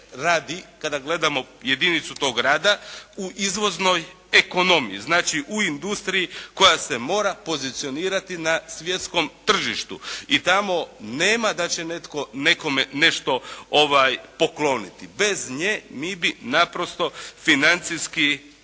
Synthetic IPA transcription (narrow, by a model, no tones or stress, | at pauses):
ɾaːd̪ikad̪aɡle̞d̪amo̞ | je̞d̪init̪sut̪o̞ːɡɾaːd̪auʔizʋo̞zno̞j | e̞ko̞no̞mḭjḭznaːt͡ʃiʔuind̪ust̪ɾijiko̞jase̞mo̞ːɾapo̞zit̪sio̞niːɾat̪inasʋje̞t̪sko̞mt̪r̩ʒiʃt̪uit̪amo̞ne̞ːmad̪at͡ɕe̞ne̞t̪ko̞ne̞ko̞mene̞ʃt̪o̞o̞ʋajpo̞klo̞nit̪ibe̞zɲeːmibinapɾo̞st̪o̞finant̪siski